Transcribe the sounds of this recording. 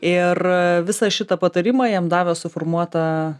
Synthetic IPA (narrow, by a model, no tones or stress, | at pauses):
ɪrʋʲɪsɐʃʲɪt̪ɐpɐt̪ɐɾʲɪmɑːjiɛmd̪ɑːʋʲoːsʊformuɔt̪ɐ